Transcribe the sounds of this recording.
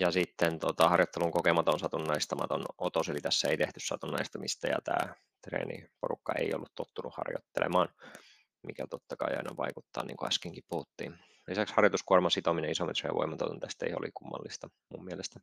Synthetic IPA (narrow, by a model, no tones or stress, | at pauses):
jɑsit̪ːent̪ot̪ɑhɑrjot̪ːeluŋkokemɑt̪onsɑt̪unːɑist̪ɑmɑt̪onot̪oselit̪æsːæeit̪eht̪yssɑt̪unːɑist̪ɑmist̪æjɑ̰t̪æː | t̪rḛːnḭporukːɑeio̰lːut̪t̪ot̪ːunuhɑ̰rjo̰t̪ːelʔḛmɑːn | mikæt̪ot̪ːɑkɑiɑ̰inɑʋɑikut̪ːɑ̰ːnḭːŋkoæskiŋkippuhut̪ːḭːn | lisækshɑrjot̪uskuormɑsit̪omineisomet̪rḛːʋo̰imːɑt̪ot̪unt̪æst̪ḛio̰lḭkumːɑ̰lːist̪ɑ | mummiælest̪æ